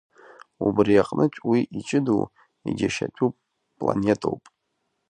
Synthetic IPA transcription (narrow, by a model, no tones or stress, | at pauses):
ubrijaqʼnʔɨt͡ʃʷʼwiʔit͡ʃʼɪdṵ | iɡʲaʃatʼupʼ | pʼla̰nʲetʼʰowpʼ